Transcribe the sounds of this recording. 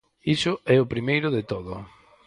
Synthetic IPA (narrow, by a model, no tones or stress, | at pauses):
isʊɛʊpɾimejɾʊðet̪oðʊ̰